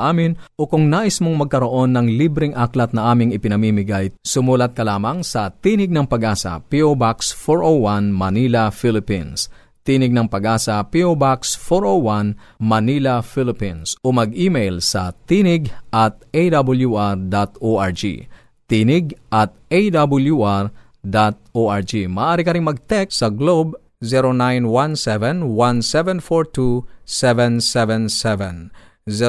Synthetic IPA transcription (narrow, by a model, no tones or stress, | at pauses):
ʔaːmɪnʔokʊŋnaːʔɪsmoŋmɐɡ̚kɐɾo̞ʔo̞nːɐŋlibɾɪŋʔaklɐt̪̚nɐʔaːmɪŋɪpɪnɐmiːmɪɡajsʊmuːlɐt̪̚kɐlaːmɐŋsɐt̪iːnɪɡ̚nɐŋpɐɡaːsɐ̰piʔobaksfoɹʔowwanmɐniːlɐfilɪpins | t̪iːnɪɡ̚nɐŋpɐɡaːsɐpiʔobaksfoɹʔowwanmɐnilɐfilɪpinsʔomɐɡ̚ʔiːmɛjlsɐ̰t̪inɪɡʔɐt̪̚ʔejd̪abʊljuʔaɹd̪at̪oʔaɹd͡ʒḭ | t̪iːnɪɡ̚ʔɐt̪̚ejd̪abʊljuʔaɹ | d̪at̪̚oʔaɹd͡ʒimɐʔaːɾikɐɾɪŋmɐɡ̚t̪ɛkssɐɡlob | zɛɾonajnwansɛvɛnwansɛvɛnfoɹt̪usɛvɛ̃nsɛvɛnsɛvɛ̃n | z